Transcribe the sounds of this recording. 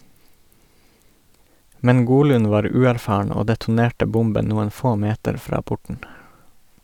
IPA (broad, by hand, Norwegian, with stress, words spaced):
ˈmɛn ˈɡuːˌlʉːn ˈʋɑːɾ ˈʉːæɾˌfɑːɳ ˈoː dɛtʊˈneːʈə ˈbʊmbən ˈnuːən ˈfoː ˈmeːtəɾ ˈfɾɑː ˈpʊʈn̩